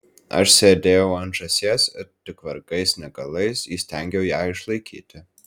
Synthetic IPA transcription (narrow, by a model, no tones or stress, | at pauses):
ɐ̰ʃsʲeːd̪ʲeːjɛʊɐnʒɐsʲiɛst̪ʲɪkʋɐɾɡɐɪsnʲɛɡɐlˠɐɪsiːsʲt̪ʲæˑŋʲɡʲɛʊjæːɪʃlˠɐɪkʲʰḭːt̪ʲɪ